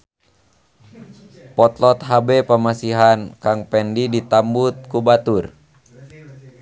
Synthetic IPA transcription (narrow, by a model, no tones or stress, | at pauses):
pɔt̪lɔt̪ɦabɛpəmasiɦankaŋpɛndidit̪ambut̪̚kubat̪ur